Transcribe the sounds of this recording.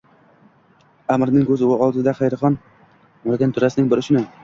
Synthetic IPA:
amɾnɪŋkʰɵzɪʊɒlˠd̪ɪd̪aχejɾχɒn | mʊɾɡʲant̪ʰʊɾasɪnɪŋbɪɾɪʃʊnɪ

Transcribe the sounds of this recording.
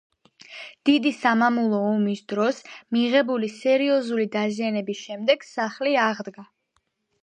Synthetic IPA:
d̪̥id̪isamamulˠɔɔmisd̪ɾɔsmiʁɛbulisɛɾiɔzulid̪azianɛbisʃɛmd̪ɛɡ̥saχliaʁd̪ɡa

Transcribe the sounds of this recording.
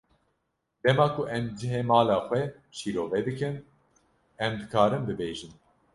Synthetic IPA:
d̪ɛmɑːkʰuʔɛmd͡ʒɨɦeːmɑːlɑːxʷɛ | ʃiːɾoːvɛd̪ɨkɨn | ɛmd̪ɨkʰaːɾɨmd̪ɨbeːʒɨn

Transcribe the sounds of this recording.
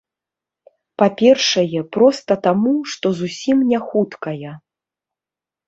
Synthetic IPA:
papʲɛrʂɐjɛpɾɔst̪ɐt̪amuʂt̪ɔzusʲimnʲɛxut̪kɐjɛ

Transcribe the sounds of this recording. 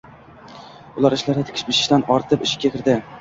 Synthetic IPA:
ʊlˠaɾɪʃlaɾɪt̪ʰɪ̥kʲʰɪ̥ʃbɪʃɪ̥ʃt̪anɒɾt̪ʰɪpɪʃɪ̥kʲʰːakʲʰɪɾd̪ɪ

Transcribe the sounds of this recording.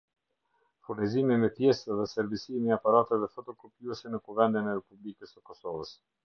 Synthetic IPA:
fuɾnizimimɛpjɛsɛðɛsɛɾbisimiapaɾat̪ɛðɛfɔt̪ɔkɔpjuɛsɛnəkuvɛnd̪inɛɾɛpublikəsəkɔsɔvəs

